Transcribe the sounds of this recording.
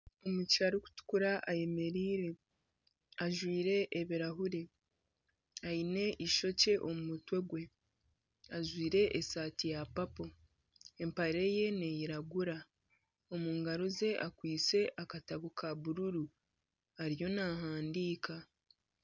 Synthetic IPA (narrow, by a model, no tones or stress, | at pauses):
o̞mucaɾuku̥tu̥kuɾaʔaje̞me̞ɾiːɾe̞ | aʒwiːɾe̞ʔːβiɾaɦuɾe | aine̞ʔiʃo̞ce̞ʔo̞mumutwe̞ɡwe̞ | aʒwiːɾe̞ʔesaːtijapapo̞ | empaɾe̞je̞ne̞jiɾaɡuɾa | o̞muːŋɡaɾoze̞ʔakwiːt͡se̞ʔakataβukʰaβuɾuɾu | aɾijo̞naɦaːndiːka